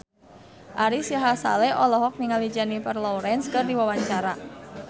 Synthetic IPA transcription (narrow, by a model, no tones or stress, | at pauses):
ʔaɾisaɦasa̰lɛʔɔlɔɦɔk̚niŋalid͡ʒanipərlɔɾɛnskɨrdiwawaɲt͡ʃaɾa